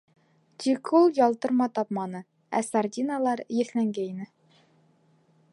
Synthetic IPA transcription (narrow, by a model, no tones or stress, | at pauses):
t̪ʲʰikulˠjɒlˠt̪ɤ̆ɾmɑt̪ɒpmɑnɤ | æ̰sardʲinalˠɑɾjɘ̆θlæŋɡæinɘ